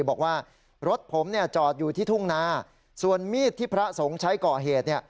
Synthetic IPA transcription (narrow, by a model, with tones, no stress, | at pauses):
bɔː˨˩k̚waː˥˩ | ɾo˦˥t̪̚pʰo˩˦mni˥˩ɐt͡ɕɔː˨˩t̪̚juː˨˩t̪ʰiː˥˩t̪ʰu˥˩ŋnaː˦˥ | su˨˩ənmiː˥˩t̪ʰːiː˥˩pʰɾa˦˥so˩˦ŋt͡ɕʰa˦˥jkɔː˨˩ɦeː˨˩t̪̚ni˥˩ə